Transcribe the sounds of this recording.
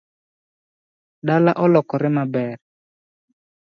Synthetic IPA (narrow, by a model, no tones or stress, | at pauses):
ɗalaʔɔlɔkɔɾɪmabɛr